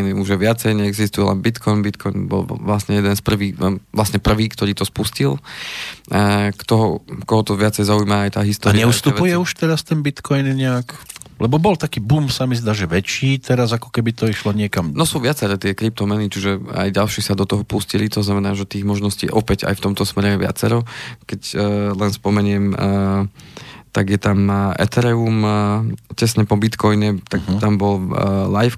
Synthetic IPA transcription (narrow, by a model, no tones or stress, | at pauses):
niuʒɛʋɪat͡sɛjɲɛɛɡzist̪ujɛlɛ̰mbit̪kʰɔjnbit̪kʰɔjnbɔ̰lʋlasɲɛjɛd̪ɛnspr̩ʋiːɛʋlasɲɛpr̩ʋiːkt̪ɔɾiːt̪ɔspuscil | kt̪ɔɦɔkɔɦɔt̪ɔʋɪat͡sɛjzaujmaːjt̪aːɦist̪ɔːaɾɲɛust̪upujɛuʃt̪ɛɾast̪ɛnbit̪kɔjnɲɛaklɛbɔbɔlt̪akiːbumsamizd̪aːʒɛʋɛt͡ʃiːt̪ɛɾazakɔ̥kɛbit̪ɔiʃlɔɲɪɛkamnɔsuːʋɪat͡sɛɾɛːt̪ɪɛkɾip̚t̪ɔmɛnit͡ʃiʒɛa̰jɟalʃiːsad̪ɔt̪ɔɦɔpuscilit̪ɔznamɛnaːʒɛt̪iːɣmɔʒnɔscḭːʔɔpɛɟa̰jft̪ɔmt̪ɔsmɛɾɛjɛʋɪa̰t͡sɛɾɔkɛclɛnspɔmɛɲɪɛm | t̪aɡjɛt̪amɛ̰t̪ɛɾɛum | cɛsɲɛpɔbit̪kɔjnɛt̪aɡt̪ambɔllajf